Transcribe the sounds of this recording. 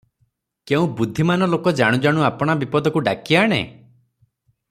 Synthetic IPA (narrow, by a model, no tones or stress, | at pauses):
keũbud̪ʱːimanɔlokɔd͡ʒaɽ̃ũd͡ʒaɽ̃uapɔɽ̃abipɔd̪ʱɔkuɖakiaɽ̃ḛ